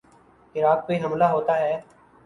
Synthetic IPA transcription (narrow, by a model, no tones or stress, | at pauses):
ɪɾaːk̚peːnəmlaːɦoːt̪aːɦɛː